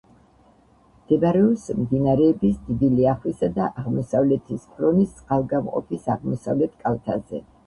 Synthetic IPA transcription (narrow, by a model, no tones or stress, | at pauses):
md̪̥ɛvaɾɛɔsmd̪inaɾɛːbisd̪id̪iliaχwisad̪aʔaʁmɔsavlɛt̪ʰispʰɾɔnissʼqʼalˠɡamqʼɔ̰pʰisaʁmɔsa̰vlɛt̪ʰkʼalt̪ʰazɛ̰